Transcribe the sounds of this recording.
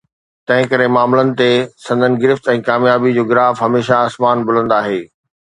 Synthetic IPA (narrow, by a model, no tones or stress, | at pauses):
t̪ɐ̃ɦɪ̃kɐɾemaːmlənɪ̆t̪esɐ̃nd̪ʱənɪ̆ɡɪɾɪft̪ɛ̃ːkaːmjaːbid͡ʑoːɡɪɾaːfɦɐmeːʃaaːsmaːnbʊl̤ə̃nd̪aːɦeː